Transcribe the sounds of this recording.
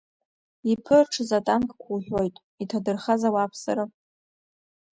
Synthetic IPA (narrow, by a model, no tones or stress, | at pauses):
ipʰɨrʈ͡ʂʰɨzatʼankʼkʷʰuħʷᶣo̞jtʼ | itʰadɨrχazawapʰsaɾa